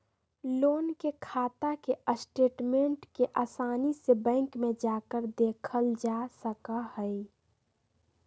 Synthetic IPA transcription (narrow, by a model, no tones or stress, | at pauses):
loːnkekʰaːt̪akeʔəsʈeːʈmẽɳʈkeʔaːsaːnisebɛ̃ːŋkmẽd͡ʒaːkəɾd̪eːkʰəld͡ʒasəkahəi